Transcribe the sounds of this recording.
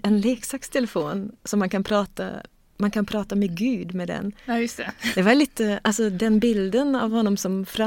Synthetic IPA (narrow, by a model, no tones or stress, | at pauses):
ɛnleːksɑkst̪ʰɛləfoːnsɔmːɑnkʰɑnpʰɾɑːt̪ə̰ | mɑnkʰɑnpʰɾɑːt̪əmɛɡʉːd̪mɛd̪ɛ̰nsd̪̥ɛʋɑɾlɪt̪ːʔɑlsɔd̪ɛnbɪld̪ənɑ̰ʋhʊnːɔmsɔmfɾɑ